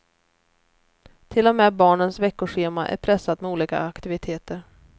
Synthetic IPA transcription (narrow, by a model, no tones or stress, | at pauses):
t̪ʰɪlːɔmɛːbɑːɳənsvɛkːʊɧeːmaʔæ̰ɾpʰɾɛsːat̪mɛuːliːka̰ːkt̪ɪvɪt̪ʰeːt̪əɾ